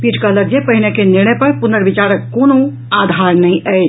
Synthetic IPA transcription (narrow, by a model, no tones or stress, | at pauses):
piʈkəɦləɾd͡ʒepəɦinejkeniɾñəjpəɾpunəɾbit͡ʃaɾəkːono | ad̪ʱaɾnəĩʔəɪt͡ʃʰ